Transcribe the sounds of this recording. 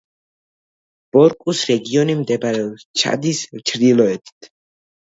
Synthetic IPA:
b̥ɔɾkʼusɾɛɡiɔnimd̪ɛbaɾɛɔst͡ʃʰa̰d̪isvt͡ʃʰɾd̪ilˠɔɛt̪ʰt̪ʰ

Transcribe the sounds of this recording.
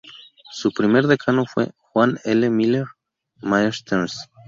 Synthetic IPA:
supɾime̞ɾðekʰanofwe̞̰xwanelemileɾ | maest̪ʰens

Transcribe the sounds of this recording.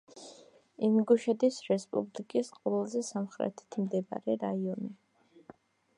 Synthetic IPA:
imɡuʃɛd̪isɾɛspʼṵblikʼisqʼɔɛlˠzɛsamχɾɛ̰t̪ʰɛ̥t̪ʰmd̪ɛba̰ɾɛɾaiɔni

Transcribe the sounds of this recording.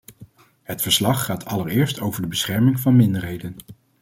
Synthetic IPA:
ɦətfəɹslɑχːaːtʰɑləɹɪːɹstowvəɹdəbəsχɛɹmɪŋvɑnmɪndəɹɦejdən

